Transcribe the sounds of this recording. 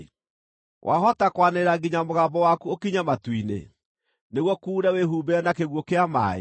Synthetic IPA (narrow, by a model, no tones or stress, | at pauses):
wʔa̰ɦɔtakwaneɾaɡiɲamoɣaːmbɔwakuokiɲamatwinḛ | neɣwɔkuːɾaweɦubeɛnakeɣwɔkeama̰ːḛ